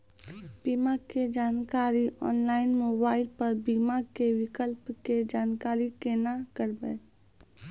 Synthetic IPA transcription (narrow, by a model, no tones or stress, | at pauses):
b̥iːmaked͡ʒaːnkaːɾiʔɔ̰ːnlaːɪnmoːbaːɪlpəɾbiːmakewɪkəlpked͡ʒaːnkaːɾikenakəɾbɛ